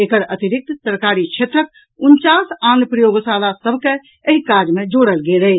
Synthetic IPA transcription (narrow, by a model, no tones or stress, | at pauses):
ekəɾət̪iɾik̚t̪t̪əɾkaɾit͡ʃʰet̪ɾək̚ | unt͡ʃasanpɾəjoɡsalasəbʱke | eɦikad͡ʒmed͡ʒoɽəlɡeləj